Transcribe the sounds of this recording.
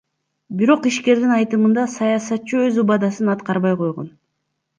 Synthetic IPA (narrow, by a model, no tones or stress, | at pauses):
biɾo̞qiʃke̞ɾd̪inɑjt̪ɯmɯnd̪ɑsɑjɑsɑt̪̚t͡ʃuøzubɑd̪ɑsɯnɑt̪qɑɾβɑjqʰo̞jʁon